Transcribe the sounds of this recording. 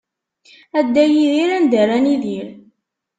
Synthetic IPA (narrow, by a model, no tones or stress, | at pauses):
æd̪ːæjiðiɾænd̪əræniðiɾ